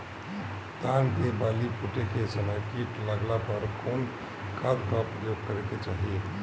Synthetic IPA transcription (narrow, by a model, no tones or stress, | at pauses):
t̪ankebalipuʈekesənəkiʈləɡlapəɾkoːn | kad̪kapɾəjoɡ̚kəɾeket͡ʃaɦie